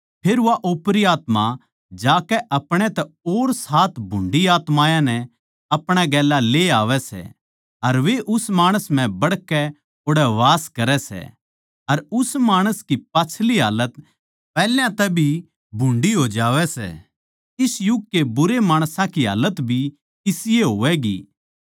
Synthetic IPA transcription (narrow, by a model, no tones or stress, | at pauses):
pʰeːɾʋaʔoːpɾiaːt̪ma | d͡ʒaːkɛʔɐpɽ̃ɛt̪ɛoːɾsaːt̪ʰbʱʊ̃ɳɖiaːt̪mãːjãnɛ | ɐpɽ̃ɛɡɛːlaleaːʋɛsɛ̰ | ɐɾʋeʔʊsmaːɽ̃əsm̤ɛ̃bɐɽkɛ | ʊɽɛʋaːskɐɾɛsɛ̰ | ɐɾʊsmaːɽ̃əskipaːt͡ʃʰliɦa̰ːlət̪ | pɛːljãt̪ɛbʱi | bʱʊ̃ɳɖiɦoːd͡ʒaːʋɛsɛ̰ː | ɪsjʊɡ̚kebʊɾemaːɽ̃sãkiɦa̰ːlət̪bʱi | ɪsɪjeɦoːʋɛɡḭː